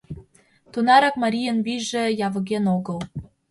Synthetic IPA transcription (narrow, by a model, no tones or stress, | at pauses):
t̪unɑɾɑkmɑɾʲijənβiʒĕjɑβɤ̆ɣʲenoɣɤ̆l